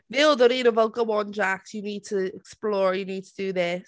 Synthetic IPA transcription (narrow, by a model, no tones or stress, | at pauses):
nilˠðəɾĩɾəvokəwɔ̃nd͡ʒaksjəniːd̚tʰəɛksplɔːɹjəniːd̚tʰədəðɪs